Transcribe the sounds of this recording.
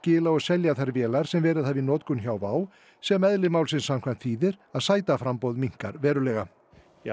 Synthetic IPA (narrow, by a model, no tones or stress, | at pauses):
cɪːlaɔɣsɛljaθajɾvjɛːlaɾ̥sɛmvɛːɾɪðθavinɔːt̪kʏnçaːwvaːw | sɛmɛðlɪmaːwlsɪnsamkʰvan̥t̪fiːðɪɾ̥aðsaːjt̪afɾampowðmiŋ̥kaɾvɛːɾʏlɛːɣa